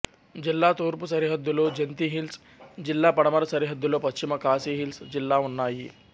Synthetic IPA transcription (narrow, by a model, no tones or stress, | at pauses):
d͡ʑilːat̪oɾpusɐɾiɦət̪̚d̪ulod͡ʑent̪iɦils | d͡ʑilːapɐɽmaɾsɐɾiɦət̪̚d̪ulopəst͡ɕiməkaːsiɦilsd͡ʑilːaunːaji